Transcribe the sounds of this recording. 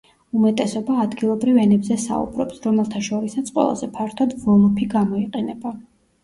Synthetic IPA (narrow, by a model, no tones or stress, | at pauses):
umɛt̪ʼɛsɔbaːd̪ɡilˠɔbɾivɛnɛbzɛsa̰ṵbɾɔ̰psɾɔmɛlˠt̪ʰaʃɔɾisat̪sʰqʼwɛ̰lˠa̰zɛpʰaɾt̪ʰɔd̪vɔlˠɔpʰiɡamɔiqʼɛnɛba